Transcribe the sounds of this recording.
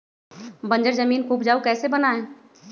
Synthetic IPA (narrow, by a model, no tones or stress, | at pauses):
bɐ̃ɲd͡ʒəɾzəmiːnkupd͡ʒaːukɛːsebənaẽ